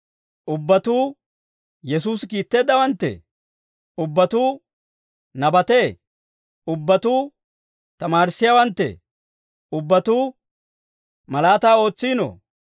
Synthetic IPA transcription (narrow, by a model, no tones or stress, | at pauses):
ʔʊbːɐt̪uː | jɛs̬uːskiːt̪ːeːd̪ːɐwɐnt̪ːɛ̰ | ʊbːɐt̪uː | nɐbɐt̪eː | ʊbːɐt̪uː | t̪ɐmaːɾɪsːɪjɐwɐnt̪ːɛ̰ | ʊbːɐt̪uː | mɐlaːt̪aːo̞ːt͡sːiːno̰